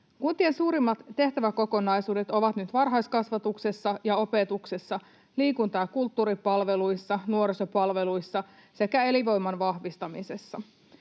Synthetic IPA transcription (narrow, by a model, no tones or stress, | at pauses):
kunt̪iensuːɾimːɑt̪ːe̞ht̪æʋæko̞ko̞nɑjsuːdet̪o̞ʋɑt̪nyt̪ʋɑrɦɑjskɑsʋɑt̪ukse̞sːɑjɑo̞pe̞t̪uksesːɑ | liːkunt̪ɑːkult̪ːuːɾipɑlʋe̞lujsːɑnuo̞ɾso̞pɑlʋe̞lujsːɑ | se̞kæe̞liʋo̞jmːɑnʋɑhʋist̪ɑmise̞sːɑ